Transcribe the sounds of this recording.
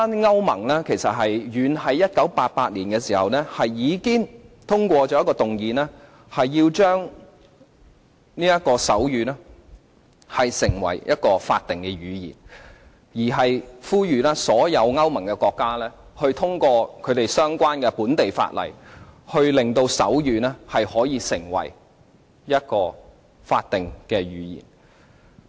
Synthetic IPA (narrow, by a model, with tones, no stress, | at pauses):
ɐ˥nŋɐ˥wmɐ̰˨˩ŋlɛ˥kʰe˨˩jsɐ˨t̚ɦɐ˨jɥyː˨˧nɦɐ˨˥jːɐ˥t̚kɐ˨˥wpaː˧t̚paː˧t̚liː˨˩nkɛː˧siː˨˩hɐ̰˨wnɛː˥hɐ˨jjiː˨˧kɪ˥ŋt̪ʰʊ˥ŋkʷɔː˧t͡ʃɔː˨˥jɐ˥kɔː˧t̪ʊ˨˩ŋjiː˨nɛː˥ | hɐ˨jːiː˧wt͡ʃœː˥ŋ | niː˥jɐ˥t̚kɔː˧sɐ˨˥wjyː˨˧lɛː˥ | hɐ˨jsɪ˨˩ŋwɐ̰˨˩jjɐ˥t̚kɔː˧fa̰ː˧t̚t̪ːɪ˨ŋkɛ˧ɥyː˨˧jḭː˨˩n | jiː˨˩ɦɐ˨jfuː˥jyː˨lɛː˥sɔː˨˥jɐ˨˧wŋɐ˥wmɐ˨˩ŋkɛ˧kɔː˧kːaː˥lɛː˥hɵ˧ɥt̪ʰʊ˥ŋkɔː˧kʰɵ˨˧ɥt̪e˨jsœː˥ŋkʷaː˥nkɛ˧puː˨˥nt̪e˨jfa̰ː˧t̚lɐ̰˨˩jhɵ˧ɥlɪ˨ŋt̪o˧wsɐ̰˨˥wjyː˨˧nɛː˥hɐ˨jhɔː˨˥jiː˨˧sɪ˨˩ŋwɐ̰˨˩j | jɐ˥t̚kɔː˧ | fa̰ː˧t̚t̪ɪ˨ŋkɛː˧ɥyː˨˧jḭː˨˩n